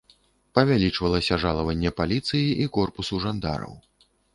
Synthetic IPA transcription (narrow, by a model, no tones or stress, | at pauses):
pɐvʲalʲit͡ʂvɐlˠɐsʲɐʐalˠɐvɐnʲːɛpalʲit̪sɨjiʔikɔrpusuʐand̪a̰ɾɐ̰w